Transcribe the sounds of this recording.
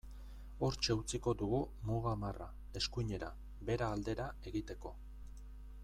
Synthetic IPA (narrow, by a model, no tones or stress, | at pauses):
o̞ɾt͡ʃe̞ut͡siko̞d̪uɣumuɣamara̰ | e̞skuɲe̞ɾa | be̞ɾaːld̪e̞ɾae̞ɣit̪e̞ko̞